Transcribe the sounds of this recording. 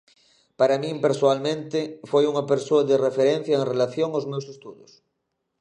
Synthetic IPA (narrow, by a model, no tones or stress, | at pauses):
paɾamĩmpeɾsoalmẽnt̪efojuŋɐpeɾsoaðerefeɾẽn̟θjaeŋrelaθjoŋaowzmewsest̪uðos